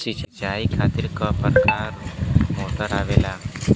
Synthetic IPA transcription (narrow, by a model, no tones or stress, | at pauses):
sit͡ʃət͡ʃaikʰat̪iɾkəpəɾkaɾmoʈəɾaʋela